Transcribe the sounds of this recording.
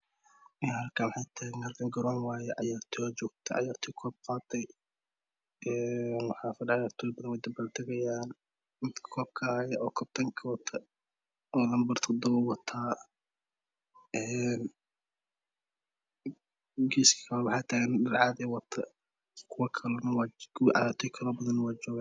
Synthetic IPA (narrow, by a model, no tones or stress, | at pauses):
ɛhɐlkʰaːwʊħajt̪ʰaːɡɛnɐrd̪ɐŋɡɐɾɔːnwaːjɛʕɑjaːrt̪ʰɪɔt͡ʃɔːɡ̚t̪ʰɛʕɑ̰jaːrt̪ʰɔkʰɔːb̚qɑːd̪ɛj | ʔɛːnwɑħɑːfɐdʕjaːrt̪ʰɔbɐðɐnwɛjd̪ɐbɐrt̪ʰɐɣɐjaːn | mɪd̪kʰkʰɔːb̚kʰɐːjɛʔɔːkʰɔb̚t̪ʰɐŋkʰɐwɐt̪ʰɐ | ɔðɐmbɐrt̪ʰɔd̪ɔβɐwɑt̪ʰaː | ʔɛn | ɡiskʰɐ̥kʰɐlɐwɑħɑːt̪ʰaːɣɛndɐrʕɑːðɛːwɑt̪ʰɐ | kʰʊwɐkʰɐlɐnɐwɑʕɑ̰jaːɾt̪ʰɔkʰɐlɔːbɐðɐnːwɑːd͡ʒɔːɣaː